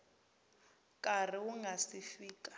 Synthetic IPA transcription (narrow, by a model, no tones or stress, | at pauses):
kʼar̤iuŋɡasifiːkʼḁ